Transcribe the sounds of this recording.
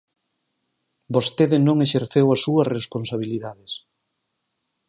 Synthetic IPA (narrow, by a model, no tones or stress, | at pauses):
bost̪eðɪnõŋeʃeɾθewɐsuɐsresponsaβ̞iliðaðɪs